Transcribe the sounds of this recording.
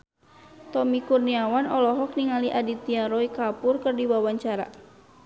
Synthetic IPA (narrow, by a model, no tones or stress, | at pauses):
t̪ɔmikurniawanɔlɔɦɔk̚niŋaliʔadit̪iaɾɔikapʊrkərdiwawaɲt͡ʃaɾa̰